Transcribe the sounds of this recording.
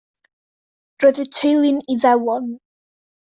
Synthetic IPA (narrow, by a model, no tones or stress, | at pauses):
roːðətʰejlˠɪniðɛwɔn